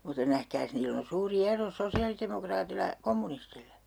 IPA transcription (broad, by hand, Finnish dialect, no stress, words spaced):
mutːɑ næhkæːs niːlː on̞ suːri ero sosiɑlitemokrɑːtilːɑ j̆ɑ̆ komːunistilːæ